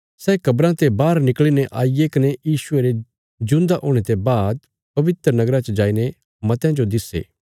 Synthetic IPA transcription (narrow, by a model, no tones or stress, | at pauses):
sɛːkɐbɾãt̪ebaːɾnɪklineʔaːijekɐnejiːsʊeɾe | d͡ʒʊ̃nd̪aʔoːɽ̃et̪ebaːd̪̚ | pɐʋɪt̪ɾənɐɡɾãt͡ʃəd͡ʒaːine | mɐt̪jãd͡ʒod̪ɪsḛː